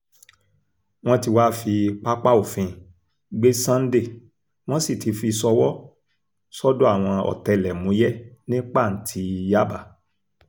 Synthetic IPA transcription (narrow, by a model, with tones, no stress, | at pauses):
w̃ɔ̃˦ti˧wa˦fi˧k͡pa˦k͡pa˦o˨fĩ˧˨ | ɡ͡be˦sã˦n̩˦de˦˨ | w̃ɔ̃˦si˦˨tʰi˨˧fi˧sɔ˧wɔ˦ | sɔ˦do˦a˦˨w̃ɔ̃˧ɔ̰˨tɛ˧lɛ˨mũ˨˦jɛ˦nĩ˦k͡pa˦˨n̩˨˦tʰi˧ja˦ba˦˨